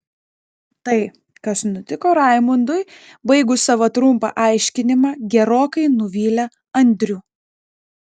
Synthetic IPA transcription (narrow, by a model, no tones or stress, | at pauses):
t̪ɐɪ | kɐsnʊt̪ʲɪkoːɾɑˑɪmʊnd̪ʊɪ | bɐɪɡʊsɐʋɐt̪ɾʊmpɑ̰ʔɑˑɪʃʲkʲɪnʲɪmɑːɡʲɛɾoːkɐɪnʊʋʲiːlʲɛ | ɐnʲd̪ʲɾʲuː